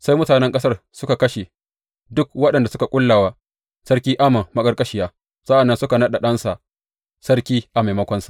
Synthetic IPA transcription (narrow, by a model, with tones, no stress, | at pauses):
sa˦jmʊ˦taː˨nɛ˦ŋkʼɐ˦sɐ˦rsʊ˦ka˨kɐ˦ʃe˨ | dʊ˦k̚wɐ˦ɗɐ˨nda˨sʊ˦ka˨kʷʼʊ˦lːaː˨waː˦ | sɐ˦rkʲiː˦ʔa˦ma˨mɐ˦kʼɐ˦rkʼɐ˦ʃɪ˨jaː˦ | sɐ˦ʔa˨nːɐ˦nsʊ˦ka˨nɐ˦ɗa˨ɗɐ˦nsa˨ʔ | sɐ˦rkʲiː˦ʔa˨ma˨mɐ˦kʷɔ˦nsḁ˨ʔ